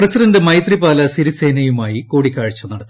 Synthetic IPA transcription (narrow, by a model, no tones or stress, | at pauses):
prɐsidɐndɨmɐjt̪ripaːlɐsiɾiseːnɐjumaːjikoːɽikʲːaːɻit͡ɕːunɐɽɐt̪ː